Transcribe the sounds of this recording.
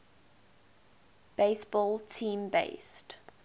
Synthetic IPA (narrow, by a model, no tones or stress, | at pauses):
b̥eɪsbɔːlˠtʰĩːmbḛɪst